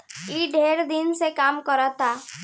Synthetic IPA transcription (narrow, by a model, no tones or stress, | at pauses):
iɖʱeɾd̪insekaːmkɔɾat̪a